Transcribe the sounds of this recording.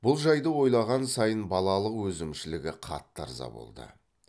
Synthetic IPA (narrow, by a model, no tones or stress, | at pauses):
b̥ʊlˠʒɑjd̪əwo̞jlˠɑʁɑnsɑjənbɑlˠɑlˠəqwɵzɪmʃɪlɪɡʲɪqʰɑ̰t̪ːɑ̰ɾzɑ̰bo̰lˠd̪ə̰